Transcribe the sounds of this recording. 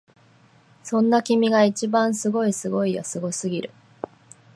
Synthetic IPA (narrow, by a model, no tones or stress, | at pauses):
sõ̞nːakʲimʲiɡait͡ɕibãɰ̃sɨɡo̞isɨɡo̞ijosɨɡo̞sɨɡʲiɾɯ̟